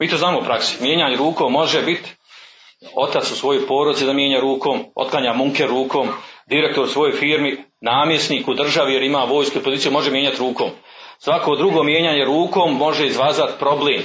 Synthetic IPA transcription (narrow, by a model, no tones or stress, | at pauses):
miːt̪oznaːmoupɾʔaksi̥mje̞ːɲaɲeɾuːkomo̞ʒebit̪ | o̞̰t̪at̪susʋo̞jojpo̞ːɾod̪itsid̪amjeːɲaːɾuːko̞ːmo̰t̪̚klˠaɲaːmuŋkeɾuːko̞ːmd̪iɾe̞k̚t̪o̞ɾusʋo̞jo̞jfiːɾminaːmje̞sniːkud̪r̩ʒaʋijeɾimaːʋo̞ːjskuipozit̪ijumo̞ʒemje̞ɲat̪ɾuːko̞ːm | sʋako̞d̪ɾuɡo̞mje̞ːɲaɲe̞ɾuːkoːmːo̞ʒeizʋaːzat̪pɾo̞bleːm